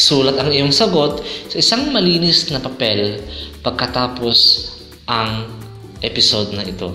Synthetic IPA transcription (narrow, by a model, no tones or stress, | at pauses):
suːlɐt̪ɐŋɪjoŋsɐɡo̞t̪̚sɐʔɪsaŋmɐliːnɪsnɐpɐpɛlpɐɡ̚kɐt̪aːpo̞s | ʔɐŋ | ʔɛpɪsod̪nɐʔɪt̪o̞̰